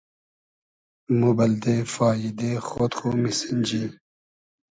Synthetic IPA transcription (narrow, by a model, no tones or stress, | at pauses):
mubɐld̪efaːjid̪eːxoːt̪xomisənd͡ʑi